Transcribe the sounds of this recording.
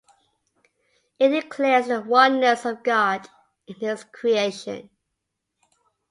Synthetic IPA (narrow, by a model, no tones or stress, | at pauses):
ɪʔ̚d̥ɪkʰl̥ɛzðəwʌ̃nːəsʌvɡɑd | ɪ̃nɪz̥kʰɹ̥ieɪʃə̰̃n